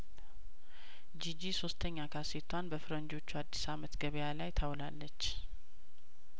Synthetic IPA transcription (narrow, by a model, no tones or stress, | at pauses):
d͡ʒid͡ʒiso̞st̪ʰəɲːakʰaset̪ʰːwanbəfɨɾənd͡ʒo̞t͡ʃːuad̪ːisamət̪ɡəβjalajt̪ʰawlalːət͡ʃː